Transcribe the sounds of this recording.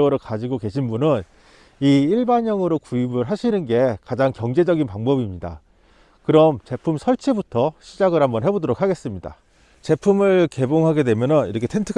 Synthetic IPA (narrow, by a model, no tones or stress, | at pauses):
ʌɾɯɭkad͡ʑiɡoke̞ɕʰinbunɯn | iiɭbaɲʌŋɯɾokuibɯɭɦaɕʰinɯnɡe̞kad͡ʑaŋkjʌŋd͡ʑe̞d͡ʑʌɡinpaŋbʌbimɲida̰ | kɯɾʌmt͡ɕe̞pʰumsʰʌɭt͡ɕʰibutʰʌɕʰid͡ʑaɡɯɭhambʌnɦe̞bodoɾok̚ʰaɡe̞s͈ɯmɲida̰ | t͡ɕe̞pʰumɯɭke̞boŋɦaɡe̞dwe̞mjʌnɯniɾʌkʰetʰentʰɯk